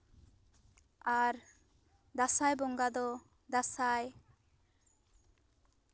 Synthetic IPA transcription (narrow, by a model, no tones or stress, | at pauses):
aɾ | d̪asajbɔŋɡad̪ɔ | d̪asaj